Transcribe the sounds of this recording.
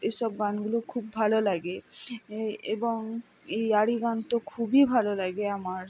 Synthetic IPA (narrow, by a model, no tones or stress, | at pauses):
ejʃɔb̚ɡanɡulokʰubːʱalolaɡe | eboŋ | ejaɽiɡant̪okʰubibʱalolaɡeamaɾ